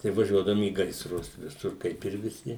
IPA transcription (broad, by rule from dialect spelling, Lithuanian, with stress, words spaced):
tɐɪ ʋɐˈʒʲuɔdɐʋʊm iː ɡɐɪsˈrʊs ʋʲɪˈsʊr ˈkɐɪp ɪr ʋʲɪˈsʲɪ